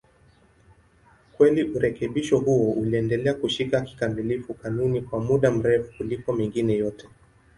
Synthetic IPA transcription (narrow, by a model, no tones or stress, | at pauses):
kwɛliʔuɾɛkɛɓiʃɔhuɔuliɛndɛlɛakuʃikaki̥kamilifukanunikwamuɗam̩ɾɛfu̥kulikɔmiŋɡinɛjɔtɛ